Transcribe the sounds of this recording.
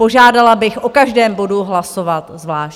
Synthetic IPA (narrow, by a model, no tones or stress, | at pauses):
o̞ʒaːdalabɪxʔokaʒdɛːmbo̞duɦlaso̞vat̪zvlaːʃ